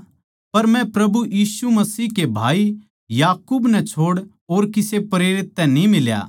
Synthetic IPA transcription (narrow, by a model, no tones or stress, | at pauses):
pɐɾmɛ̃pɾɐbujiːsumɐsiːɦkebʱaːi | jaːkuːbnɛt͡ʃʰoːɽ | oːɾkɪsepɐɾeːɾɪt̪ːɛnĩmɪlja̰ː